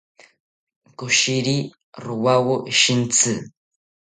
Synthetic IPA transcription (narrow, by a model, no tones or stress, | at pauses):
kʊʃiɾi | ɾʊwawʊʃint͡sɨ